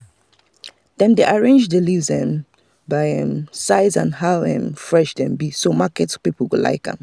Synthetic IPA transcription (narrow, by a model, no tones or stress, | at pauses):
d̪̥ɛ̃nd̪eʔaɹẽnd͡ʒdɪlivzɛ̃m | baɪɛ̃msaɪzãnhaʊɛ̰̃mfɹɛʃdɛ̃mbisomakɛtspipl̩wula̰ɪkɛ̰̃m